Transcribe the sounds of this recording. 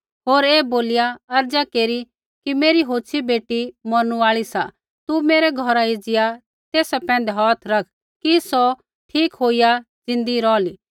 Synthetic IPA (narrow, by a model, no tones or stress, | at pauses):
ɦoːɾeːboːlɪjaɐɾd͡ʒakeːɾi | kimeːɾiɦoːt͡ʃʰibeːʈimɔɾñuaːɭisa | t̪umeːɾɛɡʱɔɾaɪd͡ʒɪja | t̪eːsapɛ̃ːnd̪ɛɦaːt̪ʰɾɐkʰ | kisɔ | ʈʰiːkɦoːija | d͡zɪ̃nd̪iɾɔːliː